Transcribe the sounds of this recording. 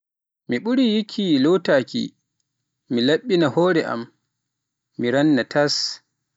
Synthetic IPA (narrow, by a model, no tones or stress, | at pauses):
miɓuɾijikʰilowtaːkḭ | milaɓːinahɔːɾɛʔa̰m | iɾanːatʰas